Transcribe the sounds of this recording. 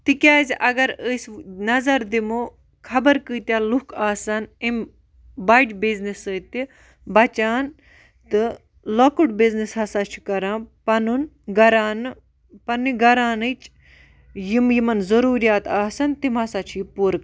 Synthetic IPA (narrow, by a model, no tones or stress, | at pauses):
t̪ikʲaːzʲʔɐɡɐɾəsnɐzɐɾd̪imo | kʰɐbɐɾkɨːt̪ʲjaːlukʰaːsɐnim | bajʈbiznisət̪i | bɐt͡ʃaːn | t̪ɨ | lokɨʈbiznishɐsat͡ʃʰi̥kɐɾãːpɐnun | ɡɐɾaːn | pɐnːiɡɐɾaːnɨt͡ʃ | jimjimɐnzɐɾuːɾijaːt̪aːsɐnt̪imasaːt͡ʃʰiːpuɾk